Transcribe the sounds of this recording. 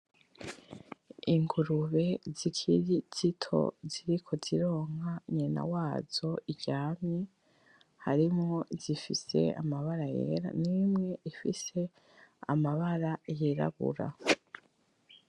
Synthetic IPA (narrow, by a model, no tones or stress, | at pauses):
iŋɡuɾuβe̞zikʰiɾiz̥itʰo̞̰ziɾikʰo̞ziɾo̞ːŋhaɲena̰waːz̥o̞iɟaːmɲe | haɾimŋo̞zifise̞̰a̰maβaɾajḛːɾa̰nimŋe̞ʔifise̞ | a̰maβaɾajiɾa̰βṵɾa̰